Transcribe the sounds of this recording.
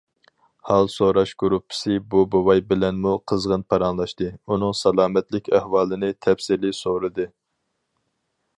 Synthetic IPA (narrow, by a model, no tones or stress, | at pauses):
hɑlˠsoɾɑʃɡ̥uɾupʰːɪ̥sɨbubowɑjbɪlɛnmuqʰəzʁənpʰɑɾɑnlˠɑʃt̪ɨunɨŋsɑlˠɑːmɛt̪lɪkʲæhwɑːlˠɨnɨt̪ʰɛfsɪlɪsoɾɨd̪ɨ